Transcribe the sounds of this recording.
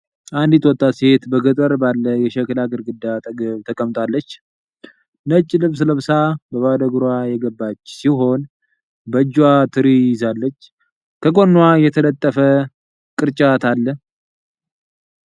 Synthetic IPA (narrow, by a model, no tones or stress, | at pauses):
ʔand̪it̪wɔt̪ʼːashet̪bəɡət̪ʼəɾbalːəjɛʃɛklaɡɨɾɡɨd̪ːat̪t̪ʰəkʼəmt̪ʼalːət͡ʃː | nət͡ʃʼːlɨβsləβsabəβad̪əɡɾwajɛɡəbːat͡ʃːsiɦo̞n | bəd͡ʒːwat̪ʰɨɾijɪzalːət͡ʃː | kʰəɡʼo̞nːwajɛt̪ʰələt̪ʼːəfə | kʼɨɾt͡ʃʼat̪ʰalːə